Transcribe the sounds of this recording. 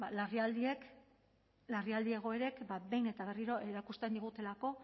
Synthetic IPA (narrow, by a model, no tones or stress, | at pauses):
balariald̪ie̞k | lariald̪ie̞ɣ̞o̞e̞ɾe̞kbabe̞jne̞t̪aβe̞riɾo̞ʔe̞ɾakust̪e̞nd̪iɣ̞ut̪e̞lako̞